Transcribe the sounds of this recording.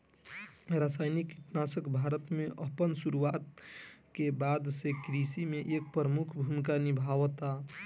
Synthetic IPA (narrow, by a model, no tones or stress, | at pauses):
ɾasajnikiʈnasəkbʱaɾət̪meʔəpənsuɾuat̪kebad̪sekɾisimeʔek̚pɾəmukʰbʱumikanibʱaʋt̪a